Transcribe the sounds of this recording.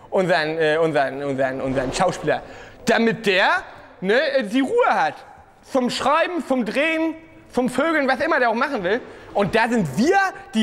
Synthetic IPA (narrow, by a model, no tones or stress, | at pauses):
ʔʊnzɐnʔɛːʔʊnzɐənʔʊnzɐnʔʊnzɐnʃaʊʃpiːlɐ̰d̥amɪt̚d̥eːɐ | nəɛdiːʁuːəhat | t͡sʊmʃʁ̥aɪbm̩t͡sʊmdʁeːən | t͡sʊmføːɡl̩nvasʔɪmɐdeːɐaʊxmaχn̩vɪlʔʊnt̚d̥aːzɪntv̥iːɐd̥iː